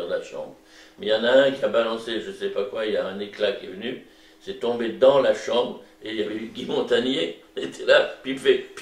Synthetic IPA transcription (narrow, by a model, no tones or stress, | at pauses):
ɛʁlaʃɑ̰̃bʁ | mɛjɑ̃naɛ̃kʲiabalɑ̃seʒəsɛpakwailaɛ̃neklakʲiɛvəny | sɛt̪ɔ̃bed̪ɑ̃laʃɑ̃bʁeiljavɛyɡʲimɔ̃t̪anjeɔ̃net̪ʰɛlapɥifɛp